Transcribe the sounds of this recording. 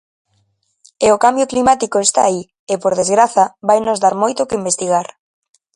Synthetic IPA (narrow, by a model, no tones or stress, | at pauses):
eokambjoklimat̪ikoest̪a̰ːi | epoɾðezɣɾaθɐβajnozðaɾmojt̪okɪimbest̪iɣ̞aɾ